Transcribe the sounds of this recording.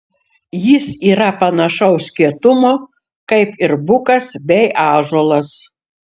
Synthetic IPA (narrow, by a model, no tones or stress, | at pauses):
jɪsiːɾɐpɐnɐʃɐʊsʲkʲiɛt̪ʊmoː | kɐɪpɪɾbʊkɐsbʲɛɪʔɑːʒoːlˠɐs